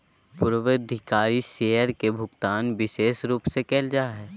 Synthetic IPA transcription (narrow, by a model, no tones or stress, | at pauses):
pʊɾʋəd̪ʱɪkaːɾiʃeːjəɾkebʱʊɡt̪aːnʋɪʃeːsɾuːpsekeːld͡ʒaːɦɛː